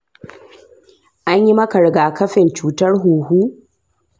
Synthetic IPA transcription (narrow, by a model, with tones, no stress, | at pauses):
ʔa˦ɲji˦mɐ˦kɐ˨ɽɪ˨ɡaː˨kɐ˦ɸɪ˨nt͡ʃuː˨tɐ˦rɦuː˨huː˦